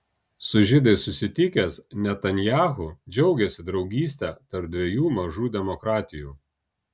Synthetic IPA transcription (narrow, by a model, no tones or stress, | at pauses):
sʊʒʲɪd̪ɐɪsʊsʲɪt̪ʲɪkʲɛsnʲɛt̪ɐnʲjæːxʊd͡ʒʲɛʊɡʲɛsʲɪd̪ɾɒʊɡʲiːsʲt̪ʲɛt̪ɐɾp̚d̪ʲʋʲɛjuːmɐʒuːd̪ʲɛmɔkɾɑːt̪ʲɪjuː